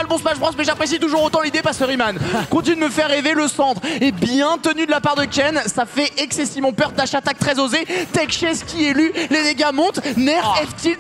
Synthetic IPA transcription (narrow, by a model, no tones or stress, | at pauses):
aləbɔ̃spaʒpχɑ̃smɛʒapχes̬it̪uʒuʁot̪ɑ̃lid̪epasəʁimankɔ̃t̪inyd̪əməfɛʁːeveləsɑ̃t̪χebjɛ̃t̪ənyd̪əlapaʁd̪əkʲɛnsafɛʔɛksɛsivmɑ̃pœʁd̪aʃat̪ak̚t̪χɛzozet̪ɛkʃɛskʲiɛlyled̪eɡʲamɔ̃t̪nɛʁɛft̪il